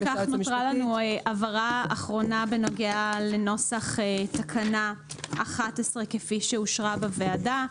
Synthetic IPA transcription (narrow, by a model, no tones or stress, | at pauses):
kaχnoʁalanuʔavaʁaaχʁo̞nabeno̞ɡeale̞no̞saχetakʰanaaχatesʁe̞kefiʃeuʃʁabeveada